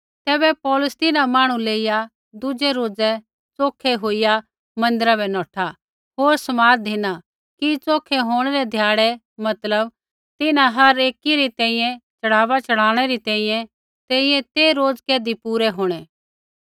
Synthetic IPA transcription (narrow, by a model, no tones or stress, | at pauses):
t̪ɛːbɛpɔːlʊst̪ɪnamaːɽ̃ũleːɪja | d̪ʊd͡ʒɛɾoːd͡zɛ | t͡soːkʰɛɦoːɪja | mɐ̃nd̪ɪɾabɛnɔːʈʰa | ɦoːɾsɐmaːɾd̪ʱɪna | kit͡soːkʰɛɦoːɽ̃eɾɛd̪ʱjaːɽɛ | mɐt̪ləb | t̪ɪnãɦɐɾeːkiɾit̪ɛ̃ːĩjɛ̃t͡ʃɐɽ̤aːʋat͡ʃɐɽ̤aːɽ̃ɛɾit̪ɛ̃ːĩjɛ̃ | t̪ɛ̃ːĩjɛ̃t̪eɾoːd͡zkɛːd̪ipuːɾɛɦoːɽ̃ɛː